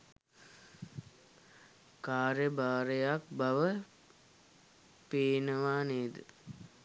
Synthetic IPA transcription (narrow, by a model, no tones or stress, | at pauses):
kaːɾjəbaːɾəjak̚baʋə | peːnəʋaːneːd̪ə